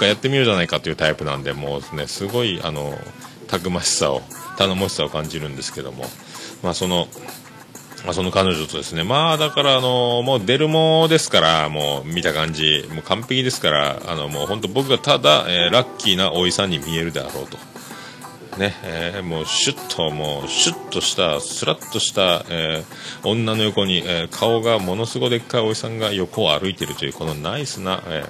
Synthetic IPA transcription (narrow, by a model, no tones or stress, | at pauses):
kːajat̪ːe̞mʲioʑanaikat̪o̞iɯ̟t̪aipɯ̟nã̰nd̪e̞mo̞̰ːsne̞sɨɡo̞ia̰no̞̰ | t̪ʰakɯ̟maɕi̥sa̰o̞̰ | t̪anomo̞ɕi̥sao̞kãɲ̟d͡ʑiɾɯ̟̃nd̪e̞sɨ̥ke̞d̪o̞̰mo̞̰ | maso̞no̞ | maso̞no̞kano̞ʑo̞t̪o̞d̪e̞sɨne̞maːd̪akaɾaːno̞moːd̪e̞ɾɯ̟mod̪e̞sɨ̥kaɾa̰mo̞̰ːmʲit̪akãɲ̟d͡ʑimoːkãmpe̞kʲid̪e̞sɨ̥kaɾa̰a̰no̞mo̞̰ːhõ̞nt̪o̞bo̞kɯ̟ɡat̪ad̪a̰ʔeːɾakʲʰːinaʔo̞isãɲ̟ːimʲie̞ɾɯ̟d̪ea̰ɾo̞̰ːt̪o̞̥ | ne̞eːmo̞ːɕɨt̪ʰːo̞mo̞ːɕɨt̪ʰːo̞ɕi̥t̪asɨɾat̪ːo̞ɕi̥t̪aeː | õ̞nːano̞jo̞ko̞ɲ̟iʔeːkʰao̞ɡamo̞no̞sɨɡo̞d̪e̞kːaio̞isãŋɡajo̞ko̞aɾɯ̟it̪eɾɯ̟t̪o̞jɯ̟ːko̞no̞naisɨna̰ḛː